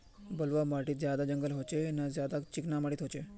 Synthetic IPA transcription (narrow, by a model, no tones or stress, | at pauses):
bəlʋamaʈiːzjad̪ad͡ʒəŋɡəlɦot͡ʃʰenazjad̪at͡ʃɪknamaɽit̪ɦot͡ʃʰe